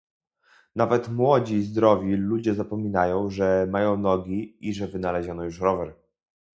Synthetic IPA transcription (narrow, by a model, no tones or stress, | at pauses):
navɛt̪mwɔd͡ʑizd̪ɾɔvʲilud͡ʑɛzapɔmʲinajɔ̃w̃ʐɛmajɔ̃w̃nɔɡʲiiʐɛvɘnalɛʑɔnɔjuʂɾɔvɛɾ